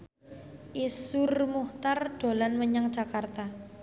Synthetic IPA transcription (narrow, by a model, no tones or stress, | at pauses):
ʔisʊrmuht̪arɖ̥o̤lanməɲaŋd̥ʒ̥a̤kart̪a